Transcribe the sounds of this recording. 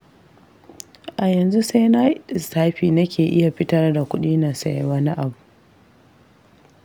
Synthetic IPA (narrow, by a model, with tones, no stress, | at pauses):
ʔa˨jɐ˨nzu˦sa˦jna˦˨saː˦ɸiː˨nɐ˦kʲeː˨ʔɪ˦ja˨ɸɪ˦tɐ˦rda˨kʷʊ˦ɗiː˦naː˨sa̰˦jwaː˦na˦ʔa˨bu˨